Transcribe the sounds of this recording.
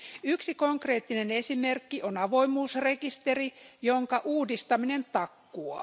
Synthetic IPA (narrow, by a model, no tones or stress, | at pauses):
yksiko̞ŋkre̞ːt̪ːine̞ne̞sime̞rkːiʔonɑʋo̞imuːsre̞kist̪erijoŋkɑʔuːdist̪ɑmine̞nt̪ɑkːuɑ̰